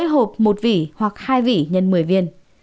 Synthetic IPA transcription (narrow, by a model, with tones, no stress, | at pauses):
jɦo˨˩p̚mo˨˩t̚vḭ˧˩˨hwa˨˩k̚haː˧jvḭ˧˨ɲə˧˨nmɨ˨˩əjvi˧ən